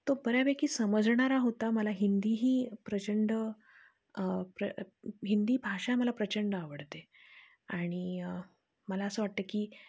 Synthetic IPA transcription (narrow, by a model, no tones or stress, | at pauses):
t̪obəɾjabekiːsəməd͡zɳaɾaɦot̪aməlaɦind̪iːɦiːpɾət͡ɕəɳɖə | pɾəɦind̪iːbʱaʂãməlapɾət͡ɕəɳɖaʋəɽt̪e | aɽ̃i | məlaəsəːʋaʈ̚t̪əkiː